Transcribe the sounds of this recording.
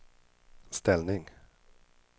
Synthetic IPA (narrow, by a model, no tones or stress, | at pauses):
st̪ɛlnɪŋ